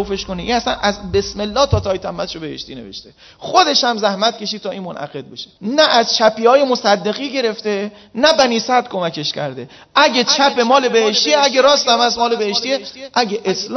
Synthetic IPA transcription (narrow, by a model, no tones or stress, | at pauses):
ofeʃkoniʔinæsænæzbe̞sme̞lːɒːht̪ʰɒːt̪ʰɒːjit̪ʰæmːæt̪ʃobehḛʃt̪iːne̞vḛʃt̪e | χod̪e̞ʃæmzæhmæt̪cʰe̞ʃid̪̚t̪ʰɒːiːnmonʔæ̰ɣe̞d̪̚beʃe̥næʔæzt͡ʃʰæpiːhɒːje̞mosæd̪ːe̞ɣiːɟe̞ɾe̞ft̪e | næbæniːsæd̪̥̚kʰomæke̞ʃcʰæ̰ɾd̪e | ʔæɡet͡ʃʰæpe̞mɒːlebeheʃt̪ieæɡeɾɒːst̪æmæsmɒːlebeheʃt̪ieʔæɡeʔesl